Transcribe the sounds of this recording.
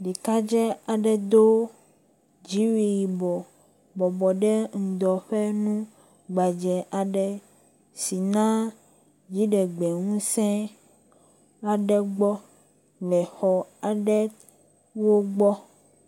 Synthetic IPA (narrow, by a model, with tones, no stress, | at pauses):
ɖi˨ka˦d͡ʒɛ˦a˨ɖɛ˨d̪o˦ | d͡ʒi˨˦wi˨ji˨bɔ˨ | bɔ˨bɔ˨ɖɛ˦ŋ̩˨d̪ɔ˨ɸɛ˦nũ˦ | ɡ͡ba˨d͡ʒɛ˨ʔa˨ɖɛ˨ | si˨nã˦ | d͡ʒi˨˦ɖɛ˨ɡ͡bɛ˨ŋũ˦sɛ̃˦ | a˨ɖɛ˦ɡ͡bɔ˦ | lɛ˨xɔ˨a˨ɖɛ˦ | wo˦ɡ͡bɔ˦